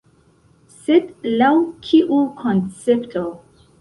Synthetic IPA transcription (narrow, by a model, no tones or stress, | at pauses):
setlawkʰiʔukʰɔ̃nsɛptʰo